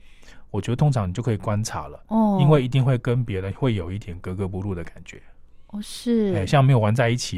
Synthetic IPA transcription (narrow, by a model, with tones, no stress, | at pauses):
wɔ˨˩t͡ɕɥɛ˧˥d̪t̪ʰʊ˥ŋʈ͡ʂʰɑ˦ŋ˨˩jo˥˩kʰə˧˥i˨˩kwa˦˥nʈ͡ʂʰa̰˨˧˦lə̰˨ɔ˥˩i˦˥nwe˥˩ɪi˧˥t̪̬i˥˧ŋxwe˥˩ɪkə˦npjɛ˧˥d̪ə˨xwe˥˩ɪjo˨˩ʊi˥˩t̪ʰjɛ˨˩nkɤ˧˥kɤ˧˦p̬u˧lu˥˩d̪ə˩ka˨˩nt͡ɕɥɛ̰˧˦˧ | ʂɻ̩˥˩e˥˩ɪɕjɑ˥˨ŋme˧˥ɪjo˨˩wa˧˦nt͡sa˥˧ɪi˥˩t͡ɕʰi˨˩